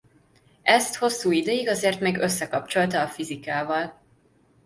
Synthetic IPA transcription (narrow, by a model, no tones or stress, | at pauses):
ɛst̪ho̞sːuːid̪øjiɡɒzeːrt̪meːɡø̞sːɛkɒp̚t͡ʃo̞lt̪ɒːfizikaːvɒl